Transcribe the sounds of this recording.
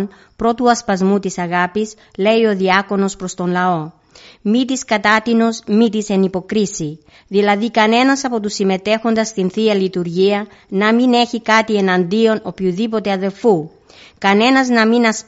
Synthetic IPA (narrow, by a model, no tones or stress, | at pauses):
n | pɾo̞t̪uɐspɐzmut̪isɐɣɐpis | le̞io̞ðiɐko̞no̞spɾo̞st̪o̞nlɐo̞ | mit̪̬iskɐt̪ɐt̪ino̞zmit̪ise̞nipo̞kɾisi | ðilɐðikɐne̞nɐsɐpo̞t̪usime̞t̪e̞xo̞nd̪ɐst̪inθiɐlit̪uɾʝiɐ | nɐmine̞çikɐt̪ie̞nɐnd̪io̞no̞pçuðipo̞t̪e̞ɐðe̞lfu | kɐne̞nɐznɐminɐs